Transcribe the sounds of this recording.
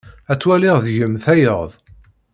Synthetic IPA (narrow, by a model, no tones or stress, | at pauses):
æt͡sːwælɪʁðjəmθæjəʁðˤ